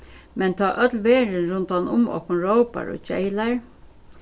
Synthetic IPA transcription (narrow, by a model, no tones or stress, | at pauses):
mɛnt̪ʰaːʔœt̪lʋeːɹɪnɹʊnt̪anʊ̰mɔ̰hkʊnɹowpa̰ɹɔ̰t͡ʃɛ̰ɪlaɹ